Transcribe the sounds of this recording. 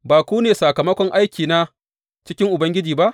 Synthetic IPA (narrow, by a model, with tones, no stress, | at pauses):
baː˨kʷuː˦neː˨sa˨kɐ˨mɐ˦kʷɔ˦ŋʔa˦jkʲiː˨naː˦ | t͡ʃɪ˦kʲɪ˦ŋʔʊ˨bɐ˦ŋɡʲɪ˦d͡ʒiː˨ba˦ʔ